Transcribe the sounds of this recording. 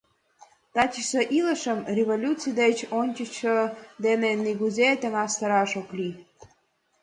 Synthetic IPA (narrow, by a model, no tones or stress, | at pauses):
t̪ɑt͡ɕisəʔilə̆ʃə̆mrʲevolʲut͡sijd̪et͡ɕonʲt͡ɕət͡ɕəd̪enenːiɡuzʲet̪ə̆ŋɑst̪əɾɑʃoklʲi